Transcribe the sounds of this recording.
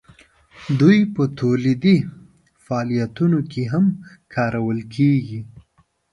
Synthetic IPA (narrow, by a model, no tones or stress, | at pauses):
d̪ujpət̪olid̪i | faːlijat̪unokeɦamkʰɑɾawəlkʰeɡi